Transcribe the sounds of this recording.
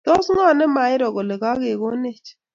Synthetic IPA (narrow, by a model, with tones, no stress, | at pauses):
t̪ɔ˦sŋa˦˨nɛ˦ma˨˦ɪ˦ɾɔ˨ɣɔ˨le˨ka˦ɣe˨ɣo˦ne˦˨t͡ʃ